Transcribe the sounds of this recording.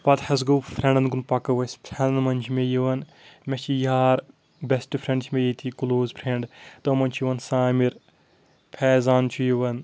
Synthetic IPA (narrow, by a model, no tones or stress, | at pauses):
pɐt̪hɐzɡɐwpʰɾẽɳɖɐnɡunpɐkɐʋɐsʲpʰɾɛ̃nɐnmɐnʲt͡ʃʰimejiʋɐn | met͡ʃʰijaːɾ | besʈɨpʰɾẽɳɖt͡ʃʰmʲejit̪ʰikuloːzpʰɾeɳɖt̪ɐmɐnʲt͡ʃʰjiʋɐnsaːmiɾ | pʰɛːzaːnt͡ʃʰujiʋɐn